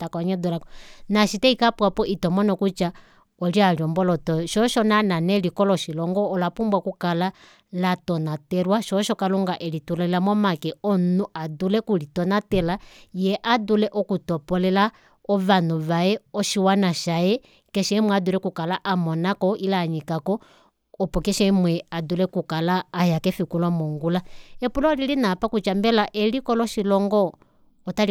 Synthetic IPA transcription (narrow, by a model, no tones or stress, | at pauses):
takɔɲɔdulakɔnaʃitɛikapwapɔʔitɔmɔnɔkut͡ʃa | ɔlialjɔmbɔlɔtɔʃɔʃɔnananɛlikɔlɔʃilɔŋɡɔːlapumbwakukala | latɔnatɛɾwaʃɔʃɔkaluŋɡaʔɛlitulɔilamɔmakɛɔnuadulɛkulitɔnatɛlajɛʔadulɛʔɔkutɔpɔlɛla | ɔβanuβaɛɔʃiwanaʃajɛ | kɛʃɛimwɛadulɛkukalaʔamɔnakɔʔilaɲikakɔː | pɔkɛʃɛimwɛadulɛkukalaːjakɛfikulɔmɔŋɡulaɛpulɔlilinapakut͡ʃambɛlaʔɛlikɔlɔʃilɔŋɡɔː | tal